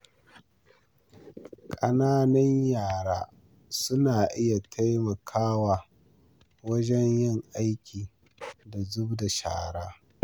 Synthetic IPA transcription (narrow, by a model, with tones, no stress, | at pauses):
kʼɐ˦naː˦nɐ˦ɲjaː˨ɽaː˦ | sʊ˦naː˨ʔɪ˦ja˨tʰa˦jmɐ˨kʰaː˦waː˨ | wɐ˦d͡ʒɛ˦ɲjɪ˦˨ŋʔa˦jkʲiː˨ | da˨zʊ˦bda˨ʃa̰ː˨ɽaː˦